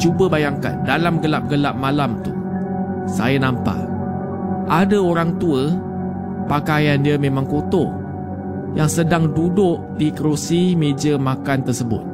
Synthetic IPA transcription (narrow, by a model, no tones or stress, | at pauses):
t͡ʃubəbajaŋka̰ndalamɡəlap̚ɡəlap̚malamt̪ṵ | sa̰janampa̰ | ʔadaoɾaŋt̪uə | pakajandiəmẽmãŋkot̪ɔ | jaŋsədaŋdudʊʔdikəɾusimed͡ʒəmakant̪ərsəbʊ̰t̪̚